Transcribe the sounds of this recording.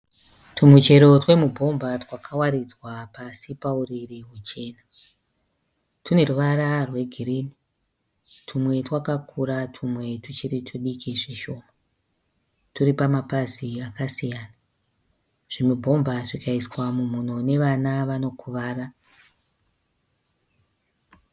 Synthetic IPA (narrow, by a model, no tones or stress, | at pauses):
tʰumut͡ʃe̞ɾo̞twe̞mubʱo̞mbatwakʰawaɾid͡zwapasipauririɦut͡ʃe̞ːna | tune̞ruʋaɾarwe̞ɡʱiriːni | tʰumwe̞twakakʰuɾatʰumwe̞tut͡ʃiɾitʰuɗikiʐiʃo̞ːma | tuɾipamapaziakasijaːna | ʐ̥imubʱo̞mbʱaʐikaiswamumunone̞ʋanaʋano̞kʰuʋaːra